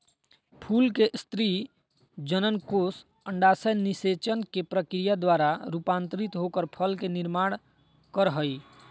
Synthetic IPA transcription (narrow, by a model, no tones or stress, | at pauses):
pʰulkeʔst̪ɾi | d͡ʒənənkos | əɳɖasəjniset͡ʃənkepɾəkɾijad̪waɾaɾupant̪ɾit̪ɦokəɾpʰəlkeniɾmaɽ̃ | kəɾɦəj